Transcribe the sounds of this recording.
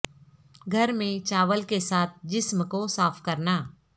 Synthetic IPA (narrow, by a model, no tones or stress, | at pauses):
ɡʱɐɾmẽt͡ʃaːʋəlkesaːt̪̚ʰd͡ʒɪsmkosaːfʰkɐɾnaː